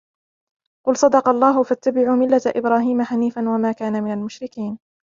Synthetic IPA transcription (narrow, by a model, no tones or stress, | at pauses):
qʊlsˤɑd̪ɑqɑlˤːɑːɦʊfat̪ːabɪʕuːmɪlːat̪ʔɪbɾaːɦiːmaħaniːfanwamaːkaːnamɪnalmʊʃɾɪkiːn